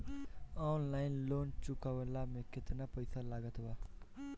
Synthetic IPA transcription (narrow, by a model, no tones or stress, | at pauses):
ɔnlajnlont͡ʃukawlamekʰːet̪napʌjsalaɡʌt̪ba